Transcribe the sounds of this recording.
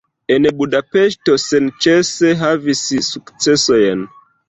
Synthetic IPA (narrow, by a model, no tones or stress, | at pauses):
e̞nbudape̞ʃto̞sent͡ʃe̞se̞ɦavissukt͡se̞so̞jn